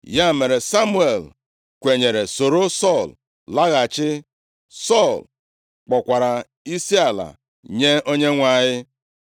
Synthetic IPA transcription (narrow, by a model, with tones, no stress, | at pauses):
ja˦me˨ɾe˨sa˦mu˦e˨l | kʷe˨ɲe˨ɾe˨so˨ɾo˦sɔ˦˨l | la˦ɣa˨t͡ʃɪ˦ | sɔ˦˨l | k͡pɔ˨kʷa˨ɾa˨ | i˦si˦a˨la̰˨ | ɲe˦o˦ɲe˦ŋʷa˨ɲɪ˦